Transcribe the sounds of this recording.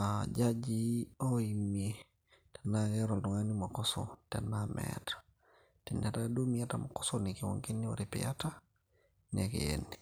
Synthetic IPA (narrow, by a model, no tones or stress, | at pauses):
ad͡ʒad͡ʒiɔimie | tɛnaɡɛɾɔlduŋanimakɔsɔ̰tɛ̰namɛ̰tḁ | tɛnatadumiata̰makɔ̥sɔnikiwɔ̰ŋkenːiwɔ̰ɾipḭata | nakḭɛ̰nːi